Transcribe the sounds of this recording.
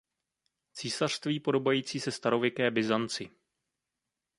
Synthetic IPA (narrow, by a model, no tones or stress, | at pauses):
t͡siːsar̝̥st̪viːpo̞do̞bajiːt͡siːsɛst̪aɾo̞vjɛkɛːbɪzant͡sɪ